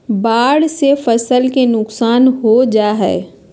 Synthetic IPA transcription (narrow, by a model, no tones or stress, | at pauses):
baːɽsefɐsəlkenʊksaːnɦod͡ʒaːɦɛː